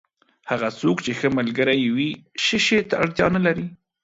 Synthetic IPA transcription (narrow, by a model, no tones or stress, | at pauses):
haɣat͡sokt͡ʃexəmalɡəɾajwiʃəʃet̪aaɽt̪jɑnalaɾi